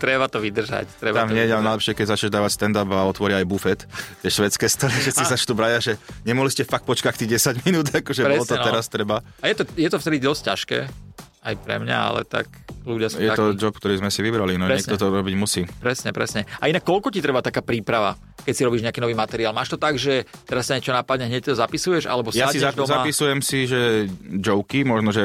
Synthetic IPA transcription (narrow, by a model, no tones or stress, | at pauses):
t̪ɾɛbat̪ɔʋid̪r̩ʒa̰ct̪ɾɛb̪amɲɛɛjalnajlɛpʃɪɛkɛɟzat͡ʃɲɛʒd̪aːʋacst̪ɛnd̪abaɔt̪ʋɔɾɪaajbufɛt̪t̪ɪɛʃʋɛt͡skɛːst̪ɔɾifʃɛt̪t͡sːisat͡ʃt̪ubɾajaʒɛɲɛmɔɦliscɛfak̚t̪̚pɔt͡ʃkac̚t̪iːɟɛsaɟminuːd̪akɔʒɛbɾɛlɔt̪ɔɛɾast̪ɾɛba | ajɛt̪ɔjɛt̪ɔft̪ɛd̪id̪ɔsccaʃkɛ̰ː | ajpɾɛ̰mɲa̰a̰lɛ̰t̪a̰kluɟɪasjɛt̪ɔd͡ʒɔp̚kt̪ɔɾiːzmɛsiʋibɾalinɔɾɛɛkɲt̪ɔt̪ɔɾɔbiɟmusiːpɾɛsɲɛpɾɛsɲɛainakːɔlkɔcit̪ɾɛbat̪akaːpɾiːpɾaʋa̰ | kɛcsiɾɔbiːʒɲeakinɔʋiːmat̪ɛɾiaːlmaːʃt̪ɔt̪aɡʒɛt̪ɛɾastaɲɛt͡ʃɔnapad̪̚ɲɛɦɲɛc̚ːt̪ɔzapisujɛʒa̰lɛbɔsjaasizaʒd̪ɔmzaapisujɛmsiʒɛd͡ʒɔʊkimɔʒnɔʒɛ